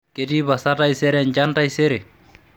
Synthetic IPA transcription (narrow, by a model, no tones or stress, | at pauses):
ketibasatajsɛɾɛɲd͡ʒantajsɛɾɛ